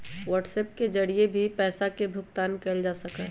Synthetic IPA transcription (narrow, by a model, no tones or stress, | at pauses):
ʋəːʈsɛːp̚ked͡ʒɐɽiebʱipɛːsakebʱʊkt̪aːnkeld͡ʒaːsəkɛ̃ː